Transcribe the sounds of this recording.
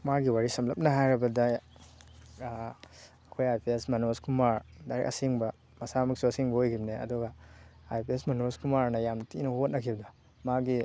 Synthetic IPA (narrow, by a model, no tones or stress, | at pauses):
maɡiwaɾisɐmlɐp̚nɐɦajɾɐbɐda | ɐkʰojajpʰesmɐnoskumaɾdaɾḛkʔɐ̰siŋbɐ | mɐsamɐksuɐsiŋbɐojɡimneɐ̰duɡɐajpʰesmɐnoskumaɾnɐjamtinɐhot̚nɐkʰiwdɐ | maɡi